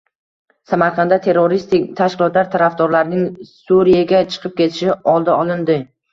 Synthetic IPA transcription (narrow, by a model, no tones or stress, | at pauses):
samaɾqʰɑnd̪at̪ʰe̞ɾːoɾist̪ɪkʲt̪ʰaʃkʲɪlˠɒt̪laɾt̪ʰaɾafd̪ɒɾlaɾnɪŋsuɾijaɡʲat͡ʃʰɨ̥qʰɨp̚kʲe̞t̪ʰɪʃɪɒlˠd̪aɒlˠɪnd̪ɪ